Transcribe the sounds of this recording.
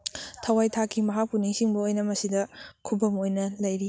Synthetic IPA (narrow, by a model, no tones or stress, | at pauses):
tʰɐwajtʰakʰimɐɦak̚puniŋsiŋbɐojnɐmɐsidɐkʰubɐmojnɐlɐjɾi